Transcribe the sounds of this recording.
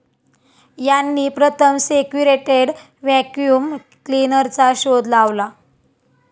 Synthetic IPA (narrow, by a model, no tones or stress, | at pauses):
janːiːpɾət̪ʰəmsekjuɾeʈeɽ | ʋækjuːm | klinəɾt͡saɕod̪laʋla